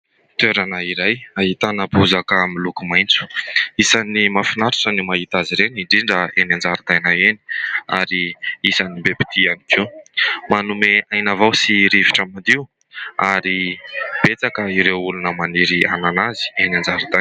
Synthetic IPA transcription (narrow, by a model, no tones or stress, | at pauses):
t̪øɾanəiɾajaɦit̪anəbuzakəmilukumajnt͡su̥isanimafinaɾu̥ʈ͡ʂanimaɦit̪aziɾeniɳɖ͡ʐiɳɖ͡ʐəenand͡zaɾut̪ajnaeni̥a̰ɾiisanibepi̥t̪ʰianikʰewmanumeajnavawsiɾiviʈ͡ʂamad̪iu | aɾib̥et͡sakəiɾewulunəmaniɾia̰nanazi̥enand͡zaɾit̪a